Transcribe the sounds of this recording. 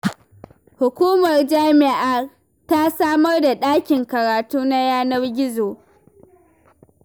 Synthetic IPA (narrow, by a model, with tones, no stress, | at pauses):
hʊ˨kʷuː˦mɐ˨rd͡ʒaː˦mɪ˦ʔa˨r | ta˦saː˦mɐ˦rda˨ɗaː˦kʲɪ˨ŋkɐ˨ɾaː˨tuː˦na˦jaː˦nɐ˦rɡʲɪ˦zoː˨